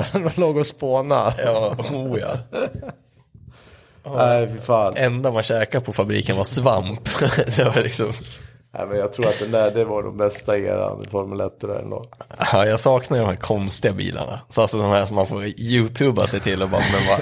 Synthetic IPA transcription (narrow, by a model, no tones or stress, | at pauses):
ɔmanloːɡɔspoːnajɑːuːjɑ̰ː | æɪfɪfaːlʔɛnd̪amanɕɛːkapʰɔfabɾḭːkənvasvampd̪ɛvaɾlɪksɔm | æ̰ɪmɛnjɑːɡ̚t̪ʰɾuːɾat̪d̪ɛnd̪æɖɛvaɖɔ̰mbɛst̪aḛːɾa̰nfɔɾmɵlɛt̪ːəɾa̰ɾɛ̰nd̪o̰ːɡhɑjɑːɡsɑːknad̪əɖ̪ɔmhæːɾkʰɔnst̪ɪɡabḭːlʔa̰ɳa̰salsɔd̪ɔmhæːʂɔmːanfoːɾjʉːt̪ʰʉːba̰sɛjt̪ʰɪlːɔbɑːɾmɛnva